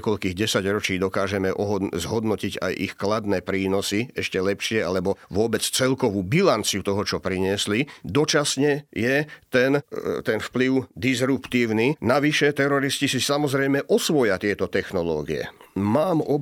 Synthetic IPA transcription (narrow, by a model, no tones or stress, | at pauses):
kɔʎkiːɣɟɛsaɟɾɔt͡ʃiːd̪ɔkaːʒɛmɛʔɔɦzɦɔd̪nɔciɟa̰jʔḭxklad̪nɛːpɾiːnɔsiɛʃcɛlɛpʃɪɛalɛbɔʋʊɔbɛt͡st͡sɛlkɔʋuːbilant͡siut̪ɔɦɔt͡ʃɔpɾiɲɪɛslid̪ɔt͡ʃasɲɛjɛt̪ɛnt̪ɛnfpliʊd̪izɾupt̪iːʊninaʋiʃɛt̪ɛɾɔɾiscisisamɔzɾɛjmɛʔɔsʋɔjat̪ɪɛt̪ɔt̪ɛxnɔlɔ̰ːɡiɛ̰maːmɔ